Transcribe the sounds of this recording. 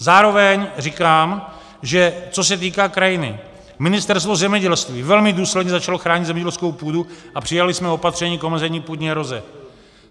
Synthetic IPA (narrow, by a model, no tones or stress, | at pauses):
zaːɾo̞vɛɲrɪkaːm | ʒɛt͡so̞s̬ɛt̪iːkaːkɾajɪnɪ̰ | mɪnɪst̪ɛɾst̪vo̞zɛmɲɛɟɛlst̪viːvɛlmɪduːslɛdɲɛzat͡ʃaloxɾaːɲɪd̪zɛmɲɛɟɛlskowpuːduʔapr̝̥ɪjalɪsmɛo̞pat̪r̝ɛɲiːkomɛzɛɲiːpudɲɛɾo̞zɛ̰